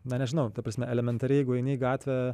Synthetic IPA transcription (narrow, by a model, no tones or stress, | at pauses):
nɐnʲɛʒʲɪnɐʊt̪ɐpɾɐsʲmʲɛɛlʲɛmʲɛnt̪ɐɾʲɪjɛɪɡʊɛɪnʲeːɡɑːt̪ʲʋʲɛ